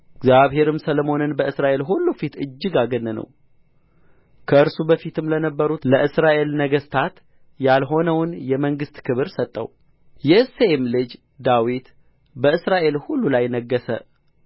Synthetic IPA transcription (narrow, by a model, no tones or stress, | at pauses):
ɪɡzjaβhe̞ɾɨmsəlomo̞nɨnbəɨsɾaʔe̞lɦulːufit̪ɨ̰d͡ʒːɨɡaɡənːɨnə̰w | kʰəɨɾsubəfit̪ʰɨmlənəbːəɾut̪ləʔɨsɾaʔe̞lnəɡəst̪ʰat̪ | jalɦo̞nəwnjɛməŋɡɨst̪kʰɨβɨɾsət̪ʼːə̰w | jɛɨseemlɨd͡ʒ | d̪awit̪ | bəɨsɾaʔe̞lhulːulajnəɡːəsə̰